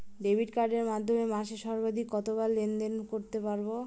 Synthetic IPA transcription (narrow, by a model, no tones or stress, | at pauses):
ɖebʱiʈkaɾɖeɾmad̪ʱːomemaʃeʃɔɾbad̪ʱikːɔt̪obalːend̪enkoɾt̪epaɾbo